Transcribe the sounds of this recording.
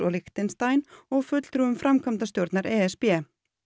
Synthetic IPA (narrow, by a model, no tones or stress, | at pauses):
ɔɣlɪxt̪ɪnst̪ajnɔɣfʏt̪l̥t̪ɾuʏmfɾʔamkʰamt̪ast̪jowɾt̪naɾɛːɛspɛː